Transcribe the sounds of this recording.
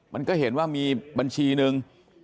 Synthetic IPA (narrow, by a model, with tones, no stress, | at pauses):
ma˧nkɔː˥˩he˩˦nwaː˥˩miː˧ba˧nt͡ɕʰiː˧nɯ˧ŋ